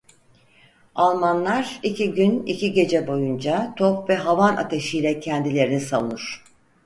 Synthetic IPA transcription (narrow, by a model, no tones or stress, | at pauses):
alˠmanlˠaɾicʰiɟynḭciɟe̞d͡ʒɛbo̞jund͡ʒat̪ʰopvɛɦavana̰t̪ʰeʃijlʲɛcʰɛnd̪ilʲe̞ɾinisalunuɾ̥